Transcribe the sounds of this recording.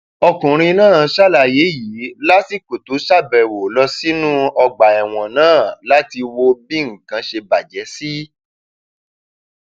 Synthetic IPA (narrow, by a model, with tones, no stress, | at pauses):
ɔ˧kũ˨ɾ̃ĩ˧nãː˦˨˦ʃa˦˨la˨je˨˦ji˨˦la˦ti˦˨ko˨tu˨˦ʃa˦˨bɛ˨wo˨lɔ˧si˦nũ˦ɔ˧ɡ͡ba˨ɛ˨w̃ɔ̃˨nãː˦˨la˦ti˧wo˧bi˦ŋ̩˨kã˧ʃe˧ba˨d͡ʒɛ˨˦si˦